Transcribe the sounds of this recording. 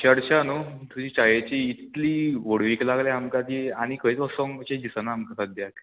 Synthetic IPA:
t͡ɕəɽt͡ɕanut̪ud͡ʑiːt͡ɕajet͡ɕiːt̪liːʋoɽʋiːklaɡleamkad̪eaɽ̃ikəit͡sɔsɔŋt͡ɕed̪isənaːmkasad̪jak

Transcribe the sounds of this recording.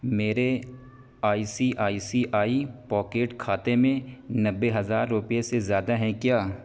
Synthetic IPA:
meːɾe | aːisiʔaːisiʔaːipɔːkeːʈkʰaːt̪emẽnɐbːeɦɐzaːɾːʊpijesezjaːd̪aɦɛ̃kjaː

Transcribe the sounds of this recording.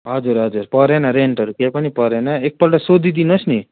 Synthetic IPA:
ɦʌd͡zuɾɦʌd͡zuɾpʌɾenʌɾeɳʈʌɾukepʌnipʌɾenʌek̚pʌlʈasod̪ʱid̪inʌsni

